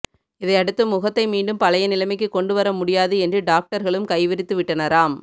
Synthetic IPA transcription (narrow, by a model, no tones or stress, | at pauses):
ɪðɐɪɐɽɯt̪ːɯmʊɣɐt̪ːɐɪmiːɳɖɯmpɐlɐjɐnɪlɐmɪk̬ːɯkːɔɳɖɯʋɐɾɐmʊɽɪjaːðɯɛndrɯɖaːk̚ʈɐɾɣɐɭɯmkɐɪʋɪɾɪt̪ːɯʋɪʈːɐnɐɾaːm